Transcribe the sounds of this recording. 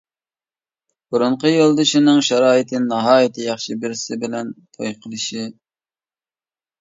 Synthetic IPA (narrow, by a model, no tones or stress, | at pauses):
b̥uɾʊɴqəjolˠd̪ɨʃinɨŋʃɑɾɑːjɪt̪ʰɨnɑɦɑːjit̪ʰɨjɑχʃibɪɾsɪbɪlɛnt̪ʰojqʰəlˠɨʃi